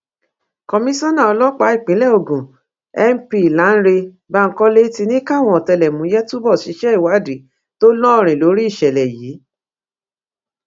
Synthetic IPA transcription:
kɔ˧mĩ˦sɔ̃˦nã˦˨ɔ˧lɔ˦k͡pa˨˦i˦˨k͡pĩ˨˦lɛ˦˨o˨ɡũ˨ | ɛ˦m˦pi˦˨lã˨˦n̩˦ɾe˧ | ba˦˧ŋ̩˦kɔ˦le˦ti˧nĩ˦ka˦˨w̃ɔ̃˧˦ɔ˨tɛ˧lɛ˨mũ˨˦jɛ˦tu˦bɔ˦˨ʃi˨˦ʃɛ˦i˦˨wa˨˦˨di˨ | to˦lɔ˦ɔ˦˨ɾ̃ĩ˨lo˨˦ɾi˦i˦˨ʃɛ˨lɛ˨jiː˨˦

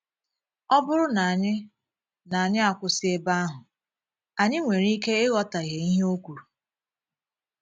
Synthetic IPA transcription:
ɔ˦bʊ˦ɾʊ˦na˨a˨ɲɪ˦ | na˨a˨ɲɪ˦a˨kʷʊ˨sɪ˦e˦ba˦a˦ɦʊ˨ | a˨ɲɪ˦ŋʷe˨ɾi˦ke˦ɪ˦ɣɔ˦ta˨ɣe˨i˦ɦe˦o˦kʷu˨ɾu˨

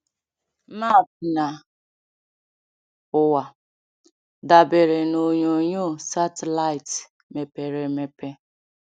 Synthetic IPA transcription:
ma˦˨p̚na˨ | ʊ˨wa˨ | da˨be˨ɾe˨no˨ɲo˨ɲo˦˨sa˦te˨la˦ɪ˨t | me˨pe˨ɾe˨me˨pe˦

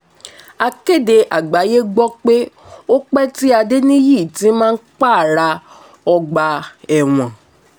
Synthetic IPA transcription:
a˧ke˦˨de˧ʔa˨ɡ͡ba˨˦je˦ɡ͡bɔ˦k͡pe˦ | o˦k͡pɛ˦ti˦a˧de˦nĩ˦ji˦˨tĩ˨˦mãː˦k͡pa˦˨ɾa˧ | ɔ˧ɡ͡ba˧ɛ˨w̃ɔ̃˨

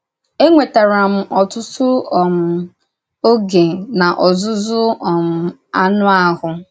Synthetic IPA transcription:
e˦ŋʷe˨ta˨ɾa˨m̩˦ɔ˨tʊ˦tʊ˦˨m̩˨ | o˦ɡe˨na˨ʔɔ˨zʊ˦zʊ˦ɔ˨m̩˨ | a˦nʊ˦a˦ɦʊ˨

